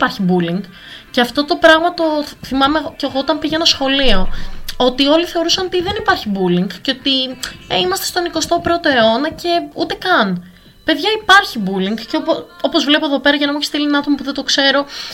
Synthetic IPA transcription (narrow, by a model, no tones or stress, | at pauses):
pɐɾçibuliŋɡ | ceɐft̪o̞t̪o̞pɾɐɣmɐt̪o̞θimɐmeceːɣo̞ot̪ɐmpiʝenɐsxo̞lio̞ot̪io̞liθe̞o̞ɾusɐno̞t̪iðe̞nipɐɾçibuliŋɡceo̞t̪ieimɐst̪est̪o̞niko̞st̪o̞pɾo̞t̪o̞e̞o̞nɐce̞ut̪ekɐn | pe̞ðʝɐipɐɾçibuliŋɡceopopo̞zvlepoðo̞pe̞ɾɐʝɐnɐmueçe̥silinɐt̪omɐpuðed̪okse̞ɾo̞